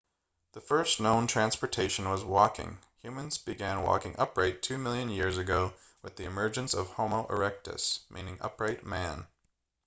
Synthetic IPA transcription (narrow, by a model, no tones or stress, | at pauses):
ðəfɜ˞stnõʊ̃ntʰɹ̥æ̃nspə˞tʰeɪʃɨ̃n̩wʌzwɔkɪ̰̃ŋ | hjʉmɨ̃nzbɨɡæ̃nwɔ̰kɪ̃ŋʔʌpʰɹaɪtʰʉmɪlˠjɨ̃njɪɹzɨɡoʊ | wɨðiɨmɜ˞d͡ʒɨ̃nsʌv̥hõʊ̃moʊʔə̰˞ɛk̚tɨ̰smʔḭ̃nɪ̃ŋʌ̰pɹaɪt̚mæ̃n